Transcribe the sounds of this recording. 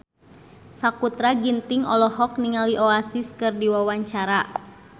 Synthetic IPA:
sakut̪ɾaɡint̪iŋɔlɔɦɔk̚niŋaliʔoasiskɨrdiwawaɲt͡ʃaɾa

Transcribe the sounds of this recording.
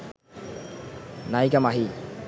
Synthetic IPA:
najkamaɦi

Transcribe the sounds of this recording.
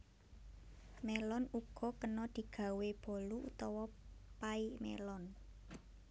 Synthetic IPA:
melɔnuɡ̥ɔ̤kənɔd̪̥i̤ɡ̥ä̤web̥ɔ̤luṵt̪ɔwɔpaimḛlɔn

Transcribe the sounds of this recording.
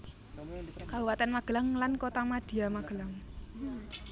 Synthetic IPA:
kauwat̪anmaɡ̥əlaŋlankot̪amad̥i̤amaɡ̥ə̤laŋ

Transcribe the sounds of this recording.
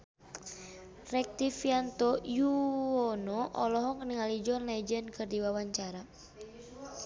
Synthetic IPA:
rɛk̚t̪ifiant̪ɔjuɔnɔʔɔlɔɦɔŋniŋalid͡ʒɔnlad͡ʒənkɨrdiwawaɲt͡ʃaɾa

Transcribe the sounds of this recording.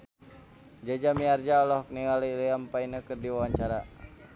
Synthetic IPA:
d͡ʒad͡ʒamiard͡ʒaɔlɔhkniŋaliliampainəkərdiwawaɲt͡ʃaɾa

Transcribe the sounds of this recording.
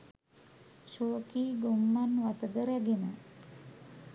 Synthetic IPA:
ʃoːkiːɡumːanʋat̪əd̪əɾæɡenə

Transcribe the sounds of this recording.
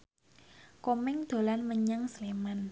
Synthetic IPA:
komɪŋd̪̥o̤lanməɲaŋsleman

